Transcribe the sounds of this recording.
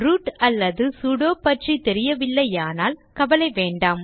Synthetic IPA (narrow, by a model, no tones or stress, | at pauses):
ɾuːʈɐlːɐðɯsuɽoːpɐʈrit̪ɛɾɪjɐʋɪlːɐjaːnaːlkɐʋɐlɐɪʋeːɳɖaːm